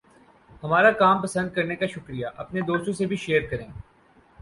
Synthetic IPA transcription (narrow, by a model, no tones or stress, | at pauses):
hɐmaːɾakaːmpɐsə̃nd̪̚kɐɾnekaʃʊkɾijaʔɐ̰pned̪oːst̪õsebʱiʃeːəɾkɐɾẽː